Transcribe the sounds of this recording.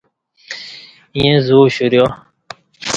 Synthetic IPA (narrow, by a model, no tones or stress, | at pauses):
ĩjẽzuːɕuɾjo